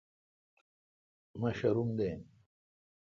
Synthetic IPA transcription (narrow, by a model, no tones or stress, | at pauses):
mɐɕɐɾumd̪em